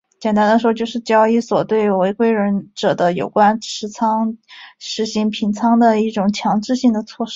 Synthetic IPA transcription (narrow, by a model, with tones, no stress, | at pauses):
t͡ɕjɛ˨˩nt̪a˥nd̪ə˧˩ʂʂt͡ɕjo˥˧ʊʂɻ̩˥˩t͡ɕjɑ˥ʊi˥˩swɔ˨˩t̪we˥˩ɪwe˧˥ɪkwe˥ɪɻə˧˥nʈ͡ʂɤ˨˩d̪ə˦jo̰˨˩ʊkwa˥nʈ͡ʂʰɻ̩˧˥t͡sʰɑ˥ŋʂɻ̩˧˥ɕi˧˥ŋpʰi˧˥nt͡sʰɑ˥ŋd̪ə˨i˥˩ʈ͡ʂʊ˨˩ŋt͡ɕʰjɑ˧˥ŋʈ͡ʂɻ̩˥˧ɕi˥˩ŋd̪ə˩t͡sʰwɔ˥˩ʂɻ̩˥